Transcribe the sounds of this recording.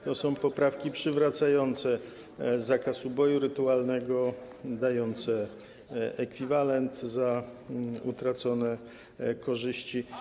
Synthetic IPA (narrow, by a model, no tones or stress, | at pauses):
t̪ɔsɔ̃w̃pɔpɾafkʲipʂɘvɾat̪sajɔnt̪sɛ | zːakasubɔjuɾɘt̪ualnɛɡɔ | d̪ajɔnt̪sɛ | ɛkfʲivalɛnt̪za | ut̪ɾat̪sɔnɛ | kɔʐɘɕt͡ɕi